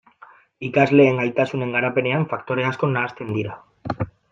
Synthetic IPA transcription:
ikazle̞ːŋɡajt̪asune̞ŋɡaɾape̞ne̞aɱfakt̪o̞ɾe̞asko̞naːst̪e̞nd̪iɾa

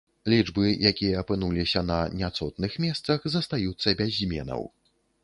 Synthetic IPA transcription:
lʲid͡ʐbɨjakʲijɐːpɨnulʲisʲɐnɐnʲat̪sɔt̪nɨxmʲɛst̪sɐxzɐst̪ajut̪sːɐbʲazʲmʲɛ̰nɐ̰w

